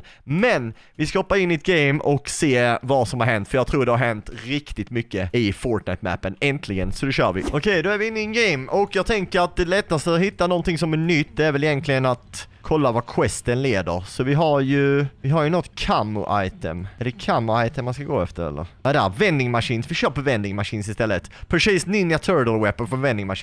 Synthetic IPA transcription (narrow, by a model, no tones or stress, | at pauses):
mɛn | vɪskahɔpːaɾɪnːɪt̪̚ɡeɪmɔkseːvasɔmhaɾɦɛnt̪fœɾjɑɡ̚t̪ʰɾuːɖɛhaɾɦɛnt̪ɾɪkt̪ɪt̪mʏkːəɪfɔːɾʈnaɪt̪mæ̰pːənɛnt̪ʰlɪɡənsɔd̪ɛɕœːɾvɪʔɔkʰɛjd̪ɔæɾvɪɪnːɪːnɡɛɪmɔkjɑːɡ̚t̪ʰɛŋkəɾat̪̚d̪ɛlɛt̪ːast̪əhɪt̪ːanɔnt̪ɪŋsɔmæɳʏt̪ːæɾvɛlɪjɛnt̪ʰlɪɡənat̪ | kʰɔlːavakʰwɛst̪ənleːd̪əɾsɔvɪɦaɾjɵvɪɦaɾjɵnɔt̪ːkʰamːʊ̰ʔa̰jt̪ə̰mɛd̪ɛkʰamːʊajt̪ʰəmːanskaɡo̰ːɛ̰ft̪əɾɛ̰lːə̰ɾɛd̪ɛævɛnd̪ɪŋmaʂiːnsvɪʃœːɾpʰɔvɛnd̪ɪŋmaʂiːnsɪst̪ɛlːət̪pʰɾɛsiːsnɪnjat̪ʰøɾd̪əlwɛpːənfɾɔnvɛnd̪ɪŋmaʂi